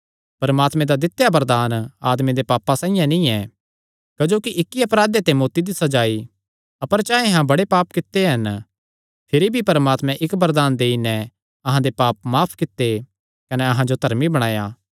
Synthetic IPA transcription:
pɐɾmaːt̪mẽd̪ad̪ɪt̪ːejabɐɾd̪aːnaːd̪med̪epaːpːãsãːijãnĩɛ | kɐd͡ʒoːkiʔɪkːiɐpɾaːd̪et̪emoːt̪id̪isɐd͡ʒaːi | ɐpəɾt͡ʃãːẽɦãbɐɽepaːpkɪt̪ːeɦɐn | pʰɪɾibʱipɐɾmaːt̪mɛ̃ʔɪkbɐɾd̪aːnd̪eːinɛ | ɐɦãd̪epaːp̚maːpʰkɪt̪ːe | kɐnɛɐɦãd͡ʒod̪ʱɐɾmibɐɽ̃aːjaː

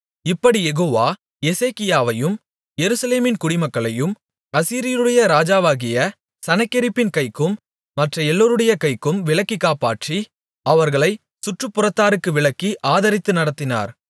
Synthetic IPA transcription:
ɪpːɐɽijɛɣoːʋaː | jɛseːkɪjaːʋɐjɯm | jɛɾɯsɐleːmɪnkʊɽɪmɐkːɐɭɐjɯm | ɐsiːɾɪjɐɾɯɽɐjɐɾaːd͡ʒaːʋaːɣɪjɐ | sɐnɐkːɪɾɪpːɪnkɐɪkːɯmː | ɐʈrɐɛlːoːɾɯɽɐjɐkɐɪkːɯmʋɪɭɐkːikːaːpaːʈri | ɐʋɐɾɣɐɭɐɪ | sʊʈrɯpːʊrɐt̪ːaːɾɯkːɯʋɪɭɐkːiʔaːðɐɾɪt̪ːɯnɐɽɐt̪ːɪna̰ːɾ

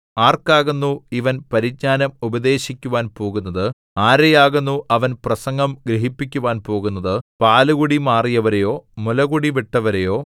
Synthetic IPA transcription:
aːrkaːɣunːuiʋɐnpɐɾiɡ̚ɲaːnɐmubɐd̪e̞ːɕikʲːuʋaːnpo̞ːɣunːɐðɨ | aːɾɐjaːɣunːuʔɐʋɐnprɐsɐŋɡɐmɡɾiɦipːikʲːuʋaːnpo̞ːɣun̪ːɐðɨpaːluɣuɽimaːrijɐʋɐɾejo̞ːmulɐɣuɽiʋiʈːɐʋɐɾejo̞ː

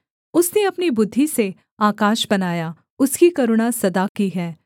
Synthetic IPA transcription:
ʊsneɐpnibʊd̪ʱːise | aːkaːʃbɐnaːja | ʊskikɐɾʊɽ̃asɐd̪akiɦɛː

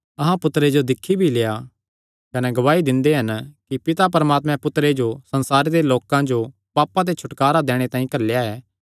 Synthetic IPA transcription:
ɐɦãpʊt̪ɾed͡ʒod̪ɪkʰːibʱileːja | kɐnɛɡɐʋaːid̪ɪ̃nd̪eɦɐnkipɪt̪ap̬ɐɾəmaːt̪mɛ̃pʊt̪ɾed͡ʒosɐ̃nsaːɾeɾeloːkãd͡ʒo | paːpːãt̪̬et͡ʃʰʊʈkaːɾad̪eːɽ̃et̪ãːĩkɐɾlejaɛː

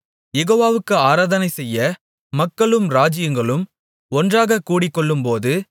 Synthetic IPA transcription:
jɛɣoːʋaːʋɯkːɯaːɾaːðɐnɐɪsɛjːɐ | mɐkːɐɭɯmɾaːd͡ʒɪjɐŋɡɐɭɯm | ɔndraːɣɐkːuːɽɪkːɔɭːɯmpoːðɯ

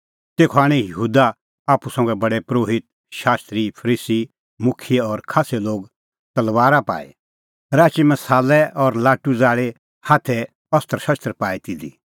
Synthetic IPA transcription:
t̪eːkʰɔaːɽ̃ĩjɐɦuːd̪a | aːpusɐ̃ŋɡɛbɐɽɛpɾoːɦɪt̪̚ | ʃaːst̪ɾipʰɐɾiːsi | mʊkʰɪjeɔɾkʰaːsɛloːɡ | t̪ɐlʋaːɾapa̰ːḛ | ɾaːt͡ʃimɐsaːlɛɔɾlaːʈud͡zaːɭe | haːt̪ʰɛ | ɔst̪əɾʃɐst̪ɾpaːit̪ɪd̪i

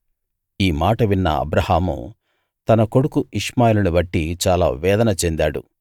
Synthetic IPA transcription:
iːmaːʈɐʋinːɐ̰ɐ̰bɾɐhaːmṵ | t̪ɐnɐko̞ɽukuiʂmaːjilɐniʋɐʈːit͡ʃaːla̰ːʋɛːd̪ɐnɐt͡ʃe̞nd̪aːɽṵ

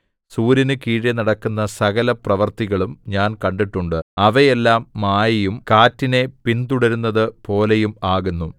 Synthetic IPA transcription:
suːɾinɨkiːɻjɐnɐɽɐkːunːɐsɐɣɐlɐprɐʋɐrt̪iɣɐɭumɲaːnkɐɳɖiʈːuɳɖɨɐʋejelːaːmːaːjɐjumkaːtːine̞pint̪uɽɐɾunːɐðɨpo̞ːle̞jumaːɣunːu

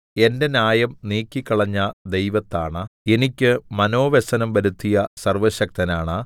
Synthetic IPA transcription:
e̞nde̞naːjɐmniːkʲːikːɐɭɐɲːɐd̪e̞jʋɐt̪ːaːɳɐe̞nikʲːɨmɐno̞ːʋesɐnɐmbɐɾut̪ʰːijɐsɐrʋɐɕɐk̚t̪ɐnaːɳɐ

